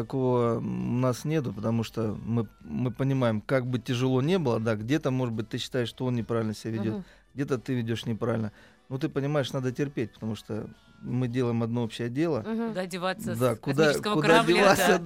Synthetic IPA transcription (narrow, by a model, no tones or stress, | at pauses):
t̪ɐko̞vənasnʲe̞t̪ʊpət̪ɐmuʂt̪omɨmɨpənʲɪmajɪmkaɡ̚bɨtʲɪʐɨlˠo̞nʲe̞bɨlˠəd̪aɡdʲe̞t̪əmo̞ʐɨt̪̚bɨt̚ʲt̪ɨɕːɪ̥t̪ajɪʂt̪oonnʲɪpɾavʲɪlʲnəsʲɪbʲavʲɪdʲo̞t̪ | ɡdʲe̞t̪ət̪ɨvʲɪdʲo̞ʂnʲɪpɾavʲɪlʲnə | not̪̬ɨpənʲɪmaɪʂnad̪ətʲɪrpʲet̚ʲpə̥t̪ɐmuʂt̪o̰ | mɨdʲe̞lˠəjɪmɐd̪no̞opɕːɪjədʲe̞lˠəɪvad̪akʊd̪akʊd̪adʲɪvasʲə